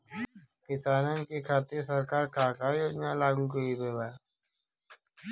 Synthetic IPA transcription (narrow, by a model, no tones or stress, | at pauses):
kɪsaːnankikʰaːt̪ɪɾsəɾkaːɾkʰaːkajoːd͡ʒnaːlaːɡũkoibeːbaː